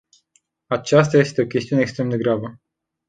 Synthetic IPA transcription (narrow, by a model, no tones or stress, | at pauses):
at͡ʃast̪aje̞st̪e̞o̞kʲe̞st̪iunekst̪ɾe̞md̪e̞ɡɾabə